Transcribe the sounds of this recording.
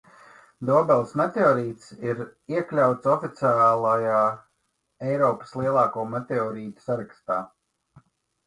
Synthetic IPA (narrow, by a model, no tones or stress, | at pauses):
d̪ɔɔbɛlˠsmet̪eɔːɾiːt̪siɾiɛklʲawt̪sɔfit̪sʲaːlˠajaː | ɛjɾɔːpə̥slˠiɛlˠɑːkuːmet̪ʲeɔːɾiːt̪u̥saɾakst̪aː